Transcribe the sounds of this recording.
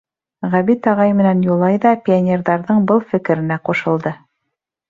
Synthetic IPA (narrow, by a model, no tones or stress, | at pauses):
ʁæβit̪ɑʁɑjmɘ̆nænjulˠɑjðɑpʲɪonʲerðɑɾðɤɴbɤlˠfɘ̆kɘ̆ɾɘ̆næquʃɤ̆lˠd̪ɤ